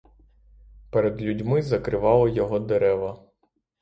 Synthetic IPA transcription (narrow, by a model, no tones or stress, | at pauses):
peɾed̪lʲudʲmɪzɐkɾɪʋɑlˠɔjɔɦɔd̪eɾɛʋɐ